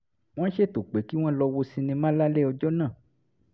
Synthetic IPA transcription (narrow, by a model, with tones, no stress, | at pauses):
w̃ɔ̃˦ʃe˦˨to˨k͡pe˨˦ki˦w̃ɔ̃˦lɔ˧wo˧sĩ˧nĩ˧mã˦la˦le˦ɔ˧d͡ʒɔ˦nã˦˨